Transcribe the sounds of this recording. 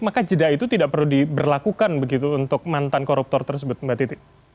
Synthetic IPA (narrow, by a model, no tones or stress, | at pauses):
makad͡ʒədait̪ut̪idaʔpərludibərlakukanbəɡit̪uːnt̪ʊk̚mant̪ankɔɾup̚t̪ɔrt̪ərsəbʊt̪̚mbat̪it̪ɪ